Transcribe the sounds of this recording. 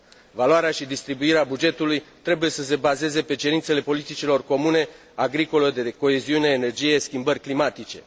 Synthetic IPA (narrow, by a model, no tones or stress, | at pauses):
valoaɾeaʃid̪ist̪ɾibuiɾeabud͡ʒe̞t̪ulujt̪ɾe̞buje̞səs̬e̞baze̞ze̞pe̞t͡ʃe̞ɾint̪se̞le̞po̞lit̪it͡ʃilo̞rko̞mune̞ | aɡɾiko̞ləd̪e̞ko̞e̞ziune̞ːne̞rd͡ʒije̞skʲimbərʲklimat̪it͡ʃe̞̰